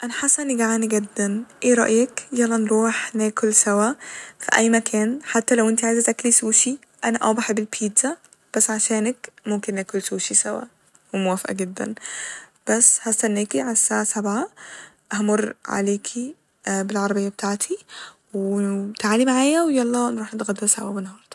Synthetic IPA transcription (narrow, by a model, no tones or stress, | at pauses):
ʔanaħasːʔnːiɡaʕaːniɡad̪ːanʔeːɾˤɑ̰ʔjakjælːɑnɾuːħneːkʊlsawafiʔæjːmakʰæːnħat̪ːalawʔɪnt̪iʕajzæt̪ʔaklisuːʃi | ʔanaʔɑ̰wbaħbɪlpʰiːt̪za | b̥asːʕaʃeːnakmʊmkɪnʔaːkʊlsuːʃisawa̰ | wmʊwæfʔa̰ɡɪd̪ːa̰nb̥asːhæst̪anːeːkiʕalasːaʕasabʕa | ʔhamʊrːʕa̰leːkʰi | bɪlʕɑɾˤɑbɪjːab̚t̪ʰaːʕt̪ʰi | wt̪aʕaːlimaʕaːjawjɑlˤːɑnɾuːħnɪt̪ɣad̪ːɪlsawawɪnhɑːɾˤt̪